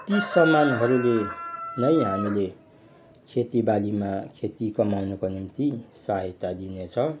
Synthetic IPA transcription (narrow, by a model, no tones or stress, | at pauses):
t̪isʌmanɦʌɾulenʌjɦamile | kʰet̪ibalimakʰet̪ikʌmawnukonint̪isaɦʌt̪ad̪inet͡sʰʌ